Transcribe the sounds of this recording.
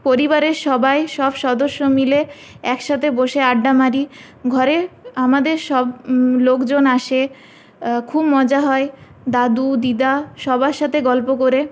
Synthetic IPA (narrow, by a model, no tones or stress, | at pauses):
poɾibaɾeɾʃɔbaeʃɔbʃɔd̪oʃːomile | ɛkʃat̪ʰeboʃeaɖːamaɾi | ɡʱɔɾeamad̪eɾʃɔblokd͡ʑonaʃe | kʰubmɔd͡ʑaɦɔe | d̪ad̪ud̪id̪aʃɔbaʃat̪ʰeɡɔlpokoɾe